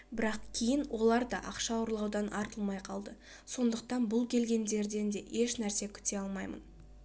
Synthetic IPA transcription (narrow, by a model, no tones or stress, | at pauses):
bɪɾɑqkʲʰejɪnwo̞lˠɑɾd̪ɑʔɑqʃɑwʊɾlˠɑwd̪ɑnʔɑɾt̪əlˠmɑjqʰɑlˠd̪ə | so̞nd̪əq̚t̪ɑnbʊlˠkʲʰe̞lɡʲe̞nd̪e̞ɾd̪e̞nd̪e̞ʔe̞ʃnæɾse̞kʲʰʏ̥t̪e̞ɑlˠmɑjmə̰n